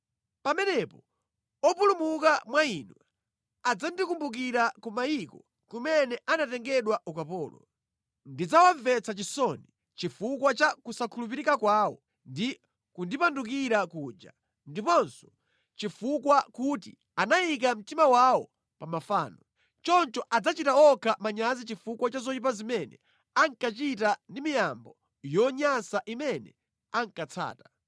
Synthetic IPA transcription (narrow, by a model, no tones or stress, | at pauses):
pamɛnɛpɔ | ɔpulumukamwainwɛ | ad͡zandikumbuk̬iɾakɔmaikɔ | kumɛnɛʔanatɛŋɡɛɗwaʔukapɔːlɔ̰ | ndid͡zawaɱvɛt͡sʰat͡ʃisɔni | t͡ʃifukwat͡ʃakusakʰulup̬iɾikakwaːwɔ | ndi | kundipanduk̬iɾakuːd͡ʒa̰ | ndipɔnsɔ̥ | t͡ʃifukwakutḭ | anajik̬am̩timawawɔ | pamafa̰ːnɔ | t͡ʃɔnt͡ʃɔʔad͡zat͡ʃitaɔkʰamaɲazit͡ʃifukwat͡ʃazɔip̬azimɛnɛ̰ | aŋkat͡ʃitandimijambɔ | jɔɲasaʔimɛnɛ̰ | aŋkat͡sʰa̰ːtḁ